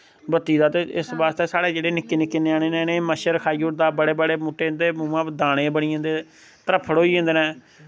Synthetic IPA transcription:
bət̪ːiːd̪aːt̪eɪsbaːst̪eːsaːɽeːd͡ʒeːɽeːnɪkːeːnɪkːɪneːaːɽ̃eːnẽːnẽːməʃəɾkʰaːiːoːɾd̪aːbəɽeːbəɽeːmuːʈːeːnd̪eːmũːãːpd̪aːɽ̃eːbəɽiːə̃nd̪eː | t̪əɾəpʰːəɽɦoːiːə̃nd̪eːnɛ̃ː

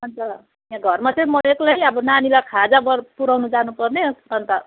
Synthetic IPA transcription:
ʌnd͡zʌ | jãɡʱʌrmat͡sʌj̃mʌeklajʌbʌnanilakʰad͡zabʌpuɾʌwnud͡zanupʌrneʌnt̪a

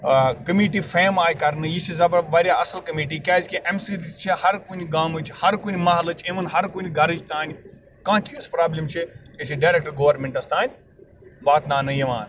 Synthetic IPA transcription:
kɐmiːʈifeːmaːjkɐɾnɨjisizɐbɐɾbɐɾjaɐsəlkɐmiːʈikʲjaːiskʲiʔemsiːɾt͡ʃʰihɐɾkuːniɡaːmɨt͡ʃʰhɐɾkuːnʲimaɦɐlɨt͡ʃʰemɐnɦɐɾkuːniɡɐɾid͡ʒt̪aːnʲ | kãːt͡ʃʰispɾaːblʲimt͡ʃʰiisiɖaːɾek̚ʈɐɾɡoːʋɐɾmẽɳʈɐst̪aːnʲ | ʋaːt̪naːnɐjiʋã̰ːn

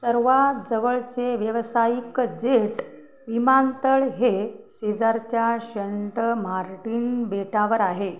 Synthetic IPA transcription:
səɾʋad͡zəʋəɭt͡seʋjəʋsajikd͡zeʈ | ʋimant̪əɭɦesed͡zaɾt͡ɕjaɕəɳʈəmaɾʈiːnbeʈaʋəɾaɦe

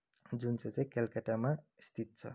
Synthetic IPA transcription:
d͡ʒunset͡sekelkəʈama | st̪ʰit̪̚t͡sʰʌ̰

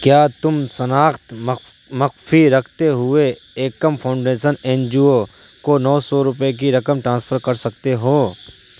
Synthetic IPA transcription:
kjaːt̪ʊmsɐnaːxt̪m | mɐqfiɾɐkʰt̪eɦʊe | eːkːəmpʰɐʊ̃ɳɖeːʃəneːnd͡ʒio | konɔːsɔːɾʊpek̬iɾɐkəmʈɾãːnspʰəɾkɐɾsɐk̚t̪eɦoː

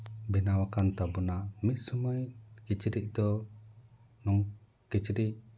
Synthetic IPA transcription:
binawakant̪abunamit̪̚sumajkit͡ʃiɾiʔ̚d̪ɔ | nɔŋ | kit͡ʃiɾiʔ̚

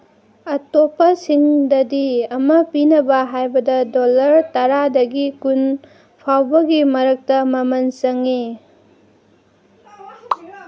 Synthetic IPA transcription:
ɐtopːɐsiŋdɐdiɐmɐpinɐbɐɦajbɐdɐdolɐɾtɐɾadɐɡikun | pʰawbɐɡimɐɾɐk̚tɐmɐmɐnsɐŋi

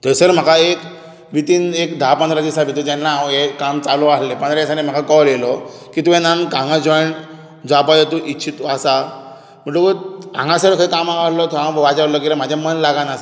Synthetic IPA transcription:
t̪əsəɾm̤əkaek | ʋit̪iːnekd̪aapənd̪ɾad͡ʑisabʱit̪ut̪ɛnːaekamt͡salɔaɦlẽpənd̪ɾasãnẽm̤akʰakɔljelɔkit̪uɛ̃nankãŋɡãd͡zɔjɳ | d͡zapajat̪uʔit͡ɕʰit̪asa | m̤əɳʈukəã̰ŋɡãsəɾkʰəikamãaɾlɔt̪uãʋat͡saɾlɔk̬elam̤ad͡ʑʱjamənlaɡanas

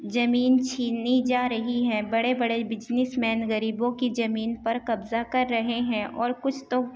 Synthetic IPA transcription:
zɐmiːnt͡ʃʰiːnid͡ʒaːɾɐɦiɦɛ̃ːbɐɽebɐɽebɪd͡ʒnɪsmɛːnɣəɾiːbõkizɐmiːnpɐɾkɐbzakɐɾːɐɦeɦɛ̃ʔʔɔːɾkʊt͡ʃʰt̪o

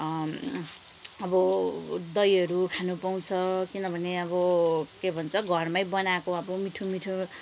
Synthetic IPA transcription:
ʌbʌd̪ʌjʌɾukʰanupaw̃t͡sʰʌkinʌbʱʌneʌbʌkebʱʌnt͡sʰʌɡʱʌrmajbʌnakoʌbʌmiʈʰumiʈʰu

